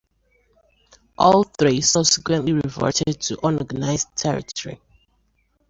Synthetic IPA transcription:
ʔɔlˠθɹisʌbsi̥kwɛ̃nʔliɹivɔ̰ɹtʰɛd̚tʰuʔɔ̃nɔɡanaɪztʰɛɹḭtʰɔɹḭ

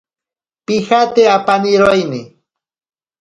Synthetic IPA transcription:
pɪhat̪eapanɪɾojnɪ

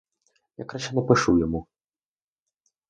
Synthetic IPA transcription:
jakɾaɕɛnɐpɨʂujamu

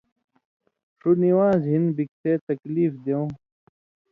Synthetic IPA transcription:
ʂuniwãːzɦinbik̚tʰet̪ɐkliːfd̪eõ

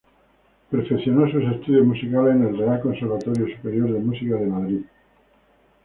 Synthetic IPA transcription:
peɾfekθjo̞nos̬use̞st̪uðjozmusikalesene̞lre̞alko̞nseɾβat̪o̞ɾjosupe̞ɾjo̞ɾðemusikaðe̞maðɾi

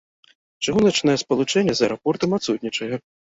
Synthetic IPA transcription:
t͡ʂaɣunɐt͡ʂnɐjɛspɐlˠut͡ʂɛnʲːɛzɐɛɾɔpɔrt̪ɐmat̪sut̪ʲnʲit͡ʂɐjɛ

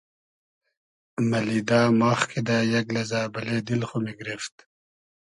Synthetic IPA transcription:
mɐlid̪aːmaːxkʰid̪ajɐɡlɐzaːbɐleːd̪ilχumiɡɾift̪

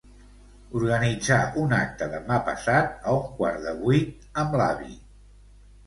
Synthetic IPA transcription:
uɾɣənid͡zaunak̚t̪əðəmapə̰sat̪̚əuŋkwaɾðəβujt̪ | əmlaβḭ

